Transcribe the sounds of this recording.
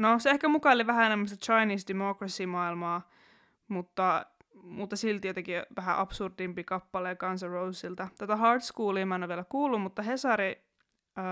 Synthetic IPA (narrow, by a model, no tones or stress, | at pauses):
noseehkæmukɑoliʋæhæenemːæst̪ɑt͡ʃɑiniːsdemokrɑsimɑilmɑː | mut̪ːɑ | mut̪ːɑsilt̪jot̪ɑkiʋæɦæʔɑpsurdimpiːkɑpːɑleːkɑnsɑrousilt̪ɑt̪æt̪æɦɑrt̪skuːliːmɑenːoʋielækuːlːummut̪ːɑhesɑɾi